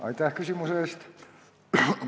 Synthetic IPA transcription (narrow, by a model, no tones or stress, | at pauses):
ʔɑ̰it̪æhkysymuseˑst̪